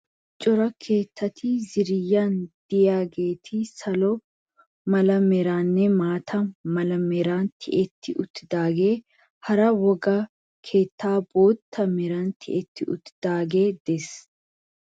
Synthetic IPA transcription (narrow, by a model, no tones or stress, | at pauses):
t͡ʃʼɔɾɐkʰe̞ːt̪ʰːɐt̪ʰiːzɪɾɪjːaːnd̪̥ɪjaːɡe̞ːt̪ʰɪsɐlɔ | mɐlɐmɛɾaːnːɛmaːt̪ʰɐmɐlɐmɛɾaːnt̪ʰɪʔɛt̪ʰːɪʔʊt̪ːɪd̪aːɡe̞ː | hɐɾɐwɔɡɐ | kʰe̞ːt̪ːaːboːt̪ːɐmɛɾɐnt̪ʰɪʔɛt̪ːɪʊ̰t̪ːɪd̪̥aːɡe̞ːd̪̥ɛs